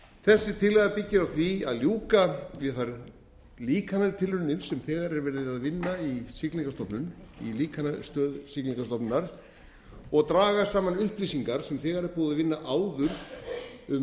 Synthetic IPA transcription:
θɛsːɪt̪ʰɪlːɛɣapɪcːɪɾawθvia̰ðljuːkaɛθaɾ | liːkʰanaðt̪ʰɪlʏnːɪnsɛmθɛːɣaɾɛɾvɛːɾðɪɪðaðvɪnːaisikliŋkast̪ɔpnʏnḭliːkʰanast̪œːðsikliŋkast̪ɔpnnːaɾ̥ | ɔɣt̪ɾaːɣasaːmanʏhplisiŋkaɾ̥sɛmθɛːɣaɾɛɾpuːðʏðaðvɪnːaʔaːwðʏɾ | ʏm

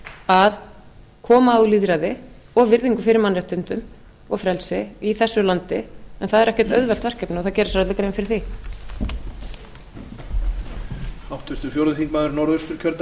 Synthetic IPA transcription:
að | kʰɔːmaːuliðɾaðɪ | ɔɣvɪɾðiŋkʏfɪɾɪɾmanrɛht̪ʏnt̪ʏm | ɔɣfɾɛlsɪiθɛsːʏlant̪ɪɛnθaðɛɾɛhcɛ̥t̪œɥðvɛlt̪vɛr̥cɛpnɪɔθaðcɛːɾɪsɾat̪ɪkɾejvɪfɪɾɪɾ̥θi | awht̪ʰʏst̪ʏfjowɾðʏθiŋkmaðʏɾnɔwɾœst̪ʏɾ̥cʰœɾt̪

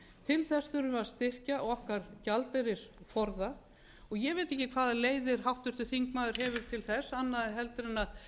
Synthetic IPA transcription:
t̪ʰɪlθɛsθʏɾʏvaɾst̪ɪr̥caɔɣɔhkaɾcalt̪eɾɪsfɔɾða | ɔɣjɛɣveːjt̪ɛhcːɪkʰvaːðaleːjðɪɾ̥ɦawht̪ʏr̥t̪ʏθiŋkmaːðʏɾ̥ɦɛvɪɾ̥t̪ʰɪlθɛsːanːaðɦɛlt̪ʏɾɪnað

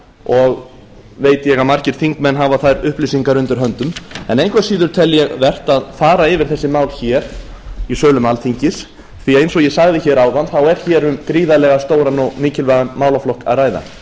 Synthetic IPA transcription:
ɔɣ | veːjt̪ɪjɛɣamaɾ̥cɪɾ̥θiŋkmɛnːɦavaθajɾʏhplisiŋkaɾʏnt̪ɪɾ̥ɦœnt̪ʏmɛ̰nejŋkvasiːðʏɾ̥t̪ʰɛlːjɛɣvɛr̥t̪aðfaːɾaɪvɪɾ̥θɛsːɪmaːwlçɛːɾ̥ | isœːlʏmalθiɲcɪs | θiaejnsɔɣjɛsaɣðɪçɛɾaːwðanθawɛɾ̥çɛːɾʏmkɾiːðalɛːɣast̪oːwɾanɔɣniːcɪlvɛɣanmaːwlaflɔhka̰ðraːjða̰

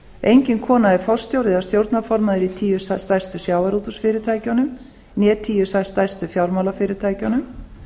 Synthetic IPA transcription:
ejɲcɪnkʰɔːnaɛɾ̥fɔ̥st̪jowɾðɪðast̪jowɾt̪nafɔɾmaðɪɾit̪ʰiːjʏsast̪ajst̪ʏsjaːwaɾuːt̪usfɪːɾɪt̪ʰaːjcanʏm | njɛːt̪ʰiːjʏsajst̪ajst̪ʏfjawlmawlafɪːɾɪɾt̪ʰaːjcanʏm

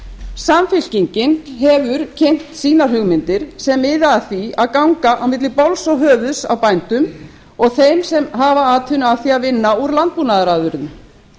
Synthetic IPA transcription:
samfɪl̥ciɲcɪnɦɛvʏɾcʰɛjm̥t̪siːnaɾ̥ɦʏɣmɪnt̪ɪɾ̥sɛmɪːðaːθiaðkawŋkaʔawmɪt̪lɪpowlsɔɣɦœːvʏsa̰wpajn̥t̪ʏm | ɔɣθejmsɛmɦavaaːt̪ʰʏnaθiaðvɪnːauɾlant̪̚puːnaðaɾaːðʏɾʏnm

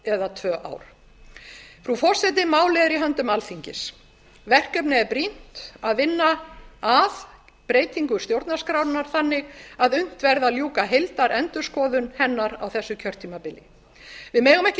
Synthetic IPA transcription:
ɛðat̪ʰvœːʔa̰ːwɾ̥ | fɾufɔ̥sɛt̪̬ɪmaːwlɛðɾiɦœnt̪ʏmalfiɲcɪs | vɛr̥kœpnɪɛɾpɾin̥t̪aðvɪnːaað | pɾeːjt̪iŋkʏ̥st̪jowɾt̪nḁskɾawɾnaɾ̥θanːɪɣaðʏn̥t̪vɛɾðaljuːkaɦejlt̪aɾʔɛnt̪ʏ̥skɔːðʏnhɛnːaɾawθɛsːʏcʰœr̥t̪ʰːiːmapɪlːɪ | vɪðmɛːɣʏmɛhcɪ

